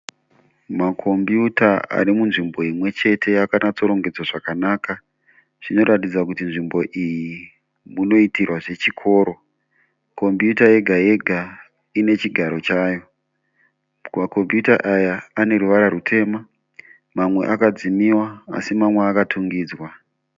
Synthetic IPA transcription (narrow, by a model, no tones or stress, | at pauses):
makʰo̞mbjutaa̰ɾimunʐimbo̞imwe̞t͡ʃe̞tʰe̞jakanat͡so̞ɾo̞ŋɡe̞d͡zwaʐakanaːka | ʐ̥ino̞ɾatid͡zakutinʐimbo̞ʔiji | muno̞itirwaʐe̞t͡ʃikʰo̞ːɾo̞ | ko̞mbjutaje̞ɡʱaje̞ɡʱa | ine̞t͡ʃiɡʱaɾo̞t͡ʃaːjo̞ | kmako̞mbjuta̰ʔajaːne̞ɾuʋaɾaɾutʰe̞ːma | mamwe̞̰ʔakad͡zimiwaa̰simamweakatʰuŋɡiːd͡zwa